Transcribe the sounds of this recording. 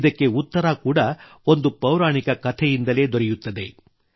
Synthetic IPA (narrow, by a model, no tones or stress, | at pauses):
d̪ɐkːe̞ut̪ːɐɾakuːɽɐ | o̞nd̪upɐwɾaːɳikɐkɐt̪ʰɛjind̪ɐle̞ːd̪oɾɛjut̪ːɐd̪e̞